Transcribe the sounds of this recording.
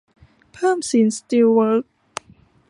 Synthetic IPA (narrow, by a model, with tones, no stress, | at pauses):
pʰɤː˥˩msi˩˦nst̪i˧wwəː˥k̚